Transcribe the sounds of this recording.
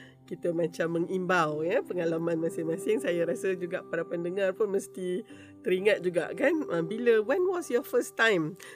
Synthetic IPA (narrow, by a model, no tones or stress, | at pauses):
kit̪əmãt͡ʃamːəŋimbawjapəŋalamãnmãsɪŋmãsɪŋsajaɾasəd͡ʒuɡaʔpaɾapəndəŋãrpʊnməst̪i | t̪əɾiŋãt̪̚d͡ʒuɡa̰ʔkanə̃biləwɛnwɔsjɔfəst̪ãjm